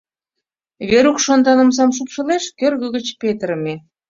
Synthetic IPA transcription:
βeɾukʃond̪ɑnə̆ms̬ɑmʃ̬upʃə̆leʃkørɣə̆ɣə̆t͡ɕpet̪əɾəme

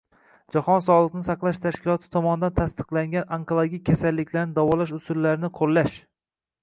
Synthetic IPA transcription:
d͡ʒahɒns̬ɒlˠɨqnɪsɑqlˠaʃt̪ʰaʃkʲɪlˠɒt̪ʰɪ̥t̪ʰɒmɒnɪd̪ant̪ʰast̪ɨ̥qlˠaŋʲanaŋkolˠoɡʲik̚ʲːʰasalːɪkʲʰlaɾnɪd̪awɒlaʃʊsʊlːaɾnɪqʰolːaʃ

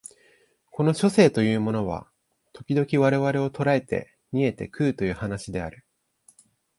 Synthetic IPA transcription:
ko̞no̞ɕo̞se̞ːt̪o̞jɯ̟ːmo̞no̞β̞a̰ | t̪o̞kʲid̪o̞kʲiβaɾe̞βaɾe̞o̞t̪o̞ɾae̞t̪e̞̰ | ɲ̟ie̞t̪e̞kɯ̟ːt̪o̞jɯ̟ːhanaɕid̪e̞a̰ɾɯ̟

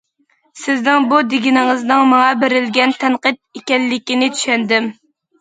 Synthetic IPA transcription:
sɪznɪŋbud̪ɪɡʲinɪŋɨznɨŋmɑŋɑbeɾɪlɡʲɛnt̪ʰɛnqɨt̪̚ekʲɛlːɪkʲinɪt͡ʃ̪ʰy̥ʃɛnd̪ɪm

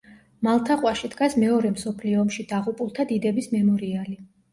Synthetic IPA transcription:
malˠt̪ʰaqʼwaʃid̪ɡasmɛɔɾɛmsɔpʰliɔːmʃid̪aʁupʼulˠt̪ʰad̪id̪ɛbismɛmɔɾiali

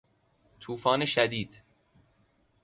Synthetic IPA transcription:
t̪ʰuːfɒːneʃæd̪iːd̪̥

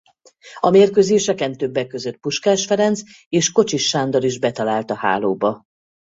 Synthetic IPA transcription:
ɒmeːrkøzeːʃɛkɛnt̪ø̞bːɛkːøzøt̪̚puʃkaːʃfɛɾɛns | eːʃko̞t͡ʃiʃːaːnd̪ɒliʒbɛt̪ɒlaːlt̪ɒha̰ːloːbɒ

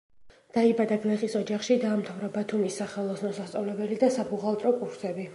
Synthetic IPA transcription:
d̪̥aibad̪aɡnɛχisɔd͡ʒaχʃid̪aːmt̪ʰavɾabat̪ʰumisːaχɛlˠɔsnɔsast̪ʼɔvlɛbɛlid̪asabuʁalˠt̪ʼɾɔkʼuɾsɛbi

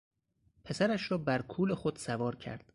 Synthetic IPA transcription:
pʰe̞sæɾæʃɾɒːbæɾkʰuːlexod̪̥sævɒːɾcʰæ̰ɾd̪̥

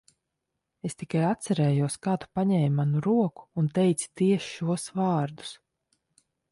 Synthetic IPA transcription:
est̪ikajat̪sɛɾɛːjuɔskaːt̪u̥paɲɛːjmanuɾuɔku̥ːnt̪ɛjt̪si̥t̪iɛʃʃuɔsvɑːɾd̪u̥s

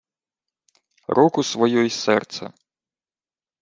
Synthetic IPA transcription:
rɔkusvajɔjsɛ̰rt̪sɐ̰

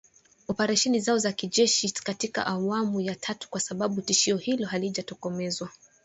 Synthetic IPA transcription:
ɔpɛɾɛʃɛnizaɔzakiʄɛʃikatika̰ʔawamujatʰatu̥kwasaɓaɓutiʃiɔhilɔɦaliʄatɔkɔmɛzwa

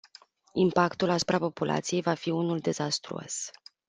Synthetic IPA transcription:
impakt̪ulasu̥pɾapo̞pulʔa̰t̪sije̞jvafiunuld̪e̞zast̪ɾṵo̰s

